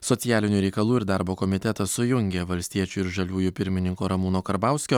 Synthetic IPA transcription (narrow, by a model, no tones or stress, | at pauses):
sɔt̪sʲɪjæːlʲɪnʲuːɾʲɛɪkɐlˠuːɪɾd̪ɑɾboːkɔmʲɪt̪ʲɛt̪ɐsʊjʊŋʲɡʲeʋɐlʲsʲt̪ʲiɛt͡ʃʲuɪɾʒɐlʲuːjupʲɪɾʲmʲɪnʲɪŋkoːɾɐmuːnoːkɐɾbɑˑʊsʲkʲoː